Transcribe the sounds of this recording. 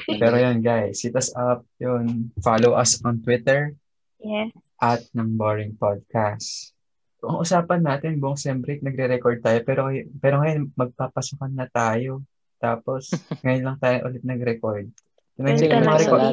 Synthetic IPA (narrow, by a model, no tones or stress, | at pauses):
pɛɾojonɡajsɪt̪ɐsɐp̚jonfalowʔɐsɔnt̪wɪt̪ɛɹ | ʔɐt̪̚nɐŋboɹɪŋpod̪̚kas | kʊʔɐʔʊsaːpɐnːaːt̪ɛnbʊʔʊŋʃɛmbɾɛknɐɡ̚ɾɛɾɛkoɹd̪̚t̪aːjopɛːɾoɐjpɛːɾoŋɐjonmɐɡ̚papɐsʊkɐnːɐt̪aːjo̞ | t̪aːpo̞sŋɐjʊnlɐŋt̪aːjoʔʊ̰lɪt̪̚nɐɡɾɛkoɹd̪̚ | nɐɾɛkomɐŋɐɾɛkod̪